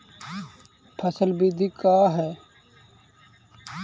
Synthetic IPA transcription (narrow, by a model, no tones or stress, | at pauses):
pʰəsəlbid̪ʱikaːɦɛː